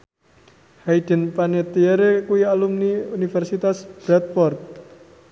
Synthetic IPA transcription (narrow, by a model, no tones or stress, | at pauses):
haid̪̥ə̤npanet̪ieɾekuialumniunifɛrsit̪asb̥ɾat̪̚pɔrt̪̚